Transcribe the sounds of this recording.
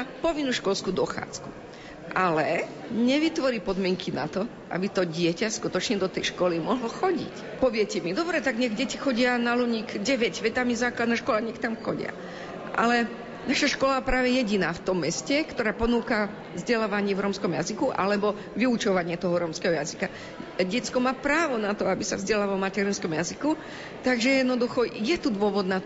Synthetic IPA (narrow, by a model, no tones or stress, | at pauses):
apɔʋinːuːʃkɔlskuːd̪ɔxa̰ːt͡sku | ʔalɛ | ɲɛʋit̪ʋɔɾiːpɔd̪mɪɛŋkʰina̰t̪ɔ | ʔa̰bit̪ɔɟɪɛcaskut̪ɔt͡ʃɲɛd̪ɔt̪ɛjʃkɔlimɔɦlɔxɔɟḭc | pɔʋɪɛcɛmid̪ɔbɾɛt̪aɡɲɛɣɟɛcixɔɟɪanaluɲiːkɟɛʋɛɟʋɛt̪amizaːklad̪nɛʃkɔlaɲɛxt̪amxɔɟɪ̰a̰ | ʔa̰lɛ | naʃaʃkɔlapɾaːʋɛjɛɟinaːft̪ɔmːɛscɛkt̪ɔɾaːpɔnuːka | vzɟɛlaːʋaɲɪɛvɾɔmskɔmja̰zikuʔa̰lɛbɔ | ʋiut͡ʃɔʋaɲɪɛt̪ɔɦɔɾɔmskɛɦɔjazika | ɟɛt͡skɔmaːpɾaːʋɔnat̪ɔabisa̰vzɟɛlaʋalɔmacɛɾinskɔmjaziku | t̪aɡʒɛjɛd̪nɔd̪uxɔjɛt̪ud̪ʋʊɔʋɔd̪nat̪